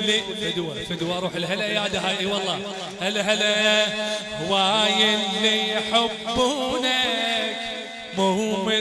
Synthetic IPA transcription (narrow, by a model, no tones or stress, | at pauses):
lːi | fʊd̪wafʊd̪waʔɾˤuːħɪlhalʔajaːd̪aɦaːʔiwɑlˤːɑː | ʔɪlɦalaʔ | hwaːjɪlːijħabːuːnak | mʊhuːmɪ